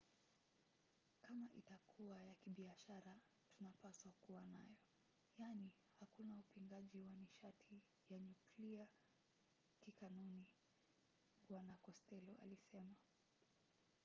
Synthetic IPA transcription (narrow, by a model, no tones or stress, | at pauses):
kamaʔitakʰuajakiɓiaʃaɾa | tunapaswakuwanajɔ | jani | hakunaupiŋɡaʄiwaniʃatʰi | jaɲuklia | kikanuni | ɓwanakɔstɛlɔʔa̰lisɛma